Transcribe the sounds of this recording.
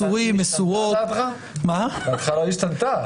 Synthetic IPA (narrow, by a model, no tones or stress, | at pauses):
uʁimesuʁot̪a | mabat̪χalaiʃt̪ant̪a